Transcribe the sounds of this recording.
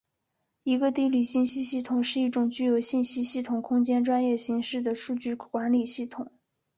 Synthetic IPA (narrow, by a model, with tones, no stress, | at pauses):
i˧˥ɡə˧t̪i˥˧ly˥˩ɕi˥˩nɕi˥ɕi˥˩t̪ʰʊ˨˩ŋʂɻ̩˥˧i˥˩ʈ͡ʂʊ˨˩ŋt͡ɕy˥jo˧˥ʊɕi˥˩nɕi˥ɕi˥˩t̪ʰʊ˨˩ŋkʰʊ˥ŋt͡ɕjɛ˥nʈ͡ʂwa˥njɛ˥˩ɕi˧˥ŋʂɻ̩˥˩d̪ə˩ʂu˥˧t͡ɕy˥˩kwa˧˥nli˨˩ɕi˥˩t̪ʰʊ˨˩˦ŋ